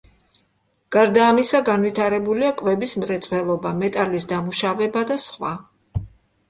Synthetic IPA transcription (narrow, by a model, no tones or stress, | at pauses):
ɡ̥aɾd̪aːmisaɡanvit̪ʰaɾɛbuliakʼvɛbismɾɛt̪sʼwɛlˠɔbamɛt̪ʼalis̬d̪amuʃavɛbad̪asχwa